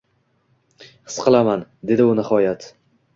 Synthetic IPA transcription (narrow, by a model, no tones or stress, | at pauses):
hɨ̥sqʰɨlˠamand̪e̞d̪ɪʊnɪhɒjat̪